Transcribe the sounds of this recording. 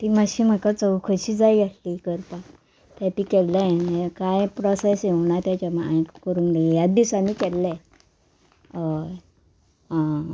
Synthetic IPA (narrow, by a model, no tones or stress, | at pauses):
t̪imaɕim̤əkat͡səwkʰəɕiːd͡zajɡaʈlikəɾpa | t̪at̪iːkɛllɛ̃ekajpɾɔsesjewɳat̪jat͡ɕamajkkəɾuːnd̪ejad̪isaniːkɛlːɛ̃ | a